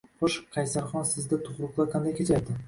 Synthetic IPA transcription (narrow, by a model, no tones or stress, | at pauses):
χoʃqʰɑjsaɾχɒnsɪzd̪at̪ʰʊχɾʊqlˠaɾqʰɑnd̪ajkʲʰet͡ʃʰaɾd̪ɪ